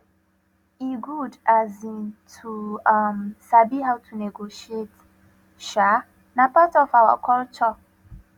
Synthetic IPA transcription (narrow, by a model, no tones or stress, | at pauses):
iɡudazĩntʰuamsabiɦawtʰunɛɡoʃiet | ʃa | napatɔfawa̰kʰɔlt͡ʃɔ